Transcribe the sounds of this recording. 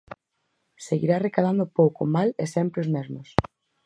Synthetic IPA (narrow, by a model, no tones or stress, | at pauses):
seɣḭɾarekað̞and̪ʊpowkoʊmalesɛmpɾeozmezmʊs